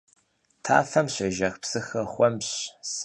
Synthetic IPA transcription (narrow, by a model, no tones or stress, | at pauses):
tʰa̰ːfɐmɕʷɐʒɐxpsɨxɐχʷɔmɕs